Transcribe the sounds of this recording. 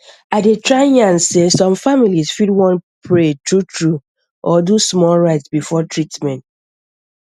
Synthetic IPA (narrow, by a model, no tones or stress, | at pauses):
aɪdetɹãjãnsesɔ̃mfamilisfidwɔ̃npʰɹetɹutʰɹu | ʔɔdusmɔlɹaɪtsbifɔtɹitmɛ̃nt